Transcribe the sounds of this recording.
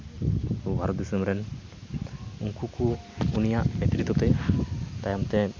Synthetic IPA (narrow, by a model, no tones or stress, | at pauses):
ubʱaɾɔt̪̚d̪isəmɾɛn | uŋkuku | unijaʔmɛt̪ɾit̪ɔt̪ɛt̪ajamt̪ɛ